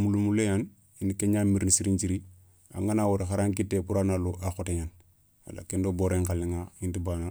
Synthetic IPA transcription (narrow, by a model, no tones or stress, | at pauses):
mulumulejan | inikeɲamiɾnisiɾiɲt͡ʃiɾi | a̰ŋanawoɾexaɾaŋkitːepuɾanaluʔaxoteɲan | wa̰la̰kendoboɾeŋkalːiŋaintibaːna